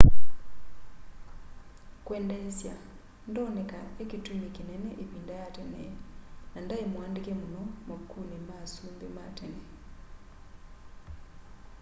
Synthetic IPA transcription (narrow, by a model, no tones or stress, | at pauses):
kweːndesja | ndonekaekituɲekineneʔeβiːndajatenḛnandaemwaːndikemunomakːuːnemasuːmbematene